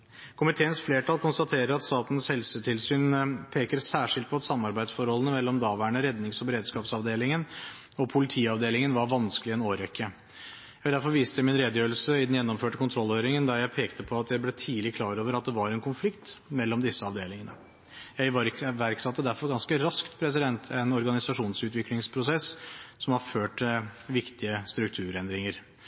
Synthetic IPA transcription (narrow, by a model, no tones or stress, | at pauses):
kʰʊmɪt̪ʰeːənsfleːʈʰɑlkʰʊnst̪ɑt̪ʰeːɾəɾɑt̪st̪ɑːt̪n̩shɛlsəʈʰɪlsyːnpʰeːkəɾsæːʂɪlt̪pʰɔɑt̪sɑmːɑɾbæɪd̪sfɔɾhɔlənəmɛlːɔmd̪ɑʋæːɳəɾɛd̪nɪŋsɔbəɾeːd̪skɑːpsɑʋd̪eːlɪŋən | ɔpʰʊlɪt̪ʰiːɑʋd̪eːlɪŋənʋɑɾʋɑnskəlɪɛnoːɾɛkʰːə | ɛd̪æɾfɔɾʋiːst̪əjæɪmɪnɾeːd̪əjøːɾlsəɪd̪njɛnːɔmføːʈəkʊnt̪ʰɾɔlːøːɾɪŋənd̪ɑɾjæɪpʰeːkt̪əpʰɔɑt̪jæɪblɛt̪ʰiːlɪkʰlɑːɾoːʋəɾɑt̪̚d̪ɛʋɑɾɛnkʰʊnflɪkt̪mɛlːɔmd̪ɪsːəɑʋd̪eːlɪŋənə̰ | jæɪʋɑɾʋæɾksɑt̪ːəd̪æɾfɔɾɡɑnskəɾɑskt̪pʰɾɛsɪd̪ɛnt̪ʰɛnɔɾɡɑnɪsɑʂuːnsʉːt̪ʋɪklɪŋspʰɾʊsɛssɔmhɑɾføːʈʋɪkt̪ɪəst̪ɾʉk̚t̪ʰʉːɾɛnd̪ɾɪŋəɾ